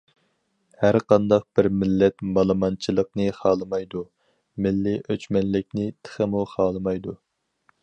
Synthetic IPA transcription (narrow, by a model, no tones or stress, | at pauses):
hæɾqɑnd̪ɑq̚b̥ɪɾmɪlːɛt̪mɑlˠɨmɑnt͡ʃʰilˠəqnɨχɑːlˠɨmɑjd̪u | mɪlːɪʔøt͡ʃmɛnlɪk̚ʲnɪt̪ʰə̥χəmuχɑːlˠɨmɑjd̪u